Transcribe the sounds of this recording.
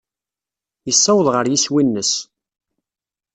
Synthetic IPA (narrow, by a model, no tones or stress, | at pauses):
jəsːæwəðˤʁəɾjiswinːəs